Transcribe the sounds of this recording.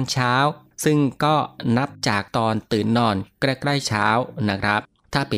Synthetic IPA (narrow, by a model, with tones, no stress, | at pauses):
nt͡ɕʰaː˦˥w | sɯ˥˩ŋkɔː˥˩na˦˥p̚t͡ɕaː˨˩k̚t̪ɔː˧nt̪ɯː˨˩nːɔː˧nkɾa˧kɾa˥˩jt͡ɕʰaː˦˥wna˦˥kʰɾa˦˥p̚ | t̪ʰaː˥˩pe˨